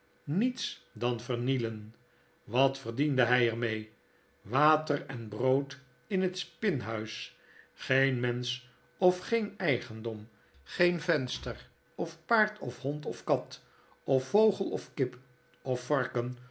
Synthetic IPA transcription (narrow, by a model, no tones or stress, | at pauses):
nitsdɑnvəɹnilən | ʋɑtfərdindəɦɛjɛɹmej | ʋaːtərɛnbrowt | ɪnətspɪnɦœɥs | χejnmɛns | ɔfχejnɛjχəndɔm | χejnvɛnstəɹ | ɔfpaːɹtʰɔfhɔntɔfkɑt | ɔfːowχəlˠɔ̰fkɪp | ɔfːɑɹkən